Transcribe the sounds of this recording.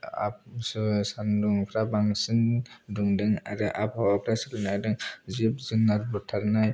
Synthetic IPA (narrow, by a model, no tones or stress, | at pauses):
a̰p̚sɯsanduŋpʰɾabaŋsɯnduŋdɯŋa̰ɾɯʔapawapʰɾasɯlɯnajdɯŋzib̚zɯnaɾbɯtʰaɾnaj